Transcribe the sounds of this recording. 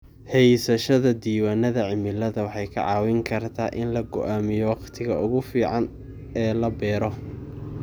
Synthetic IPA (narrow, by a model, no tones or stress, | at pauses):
hɛjsɐʃɐðɐd̪iːwaːnɐðɐʕɪmɪlɐðɐwɑħɑjkʰɐ̰ʕɑːwɪŋkʰɐrt̪ʰaːʔɪnlɐɡɔ̰ʔaːmɪjɔwɑqt̪ʰɪɣɐʊɣʊfiːʕɑn | ɛːlɐbɛːɾɔ